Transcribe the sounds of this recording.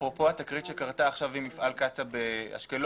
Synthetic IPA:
popo̞at̪akʁit̪ʃekaʁt̪aːχʃavimifalkat͡sabea̰ʃkel

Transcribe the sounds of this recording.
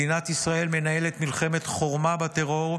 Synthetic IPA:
inat̪isʁae̞lme̞naje̞let̪milχe̞me̞t̪χo̞ʁmabat̪eʁo̞ʁ

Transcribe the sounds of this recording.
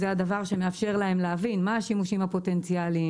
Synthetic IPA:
zeadavaʁʃe̞meafʃe̞ʁlae̞mleavinmaaʃimuʃimhapo̞tent͡siali

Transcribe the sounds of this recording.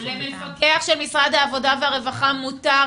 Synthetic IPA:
eaχʃelmisʁad̪haːvo̞daveaʁe̞vaχamuta

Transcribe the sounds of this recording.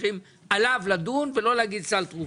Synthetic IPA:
χim | ʔalavlad̪unvelo̞leaɡid̪̚t͡salt̪ʁu

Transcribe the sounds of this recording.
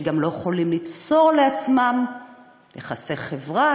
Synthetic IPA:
ɡamlo̞jeχolimlit͡so̞ʁleat͡smam | leχase̞χevʁa

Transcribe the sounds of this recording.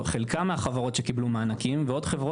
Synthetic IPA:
χelkameaχavaʁo̞tʃekiblumaːnakimveo̞dχevʁo

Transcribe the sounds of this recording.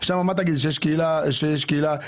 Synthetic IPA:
ʃamamat̪̬aɡid̪ʃejeʃkiilaʃejeʃkiila

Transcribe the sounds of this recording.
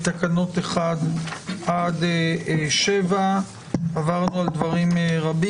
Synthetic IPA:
t̪akano̞t̪eχad̪ʔad̪eʃeva | avaʁnuald̪vaʁimʁabi

